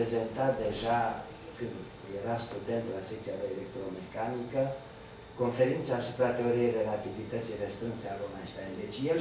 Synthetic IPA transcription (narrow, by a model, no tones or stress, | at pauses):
eze̞nt̪at̪̚d̪e̞ʒa | kɨnd̪ | jeɾast̪ud̪e̞nt̪lasek̚t̪siad̪eelek̚t̪ɾomekanikə | ko̞nfe̞ɾint̪saːsu̥pɾat̪e̞o̞ɾiejre̞lat̪ivit̪ət̪sijrest̪ɾɨnsealomaʃt̪and̪e̞t͡ʃʲjel